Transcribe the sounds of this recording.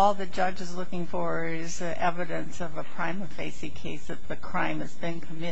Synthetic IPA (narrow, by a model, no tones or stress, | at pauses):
ɔlˠðɨ̥d͡ʒʌd͡ʒɨzlʊkɪ̃ŋfɔɹwə | ɪz | ʔɛvɨɾɨ̃nsʌvəpʰɹ̥ãɪ̃mʌfeɪsikʰeɪsðɨt̪̚ðɨkʰɹ̥ãɪ̃mɨzbɨ̃nkʰəmɪ